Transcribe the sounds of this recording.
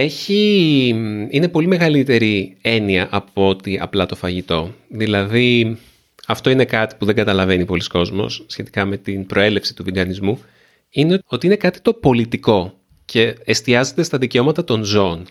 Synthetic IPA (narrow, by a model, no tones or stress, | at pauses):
e̞çi | ine̞po̞lime̞ɣɐlit̪e̞ɾie̞niɐʔɐpoo̞t̪iɐ̰plɐt̪o̞fɐʝit̪o̞ðilɐði | ɐft̪o̞ine̞kɐt̪i̥puðe̞ŋɡɐt̪ɐlɐve̞nipo̞lisko̞zmo̰sːçe̞t̪i̥kɐme̞t̪inpɾo̞e̞le̞fsi̥t̪uviɡɐnizmu | ineo̞t̪iine̞kɐt̪i̥t̪o̞po̞lit̪iko̞ | ce̞ːst̪iɐze̞t̪e̞st̪ɐðiceo̞mɐt̪ɐt̪o̞nzoːn